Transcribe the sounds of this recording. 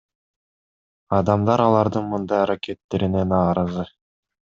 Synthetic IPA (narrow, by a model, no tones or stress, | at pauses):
ɑd̪ɑmd̪ɑɾɑlˠɑɾd̪ɯnmɯnd̪ɑjɑɾakʲe̞t̪ːe̞ɾine̞nɑːɾɑzɯ